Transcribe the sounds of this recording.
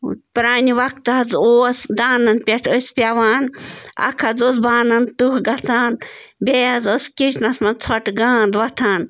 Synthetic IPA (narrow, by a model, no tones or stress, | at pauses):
pɾaːniʋɐk̚t̪ɦɐd͡zoːsd̪aːnɐnpʲɛʈʰəspʲjaʋaːnɐ̰kʰɐd͡zoːsbaːnɐnt̪uhɡɐt͡saːnbʲejɐzoskiʃʰnɐsmɐnt͡sʰɔʈɡaːnd̪ʋɐt̪ʰaːn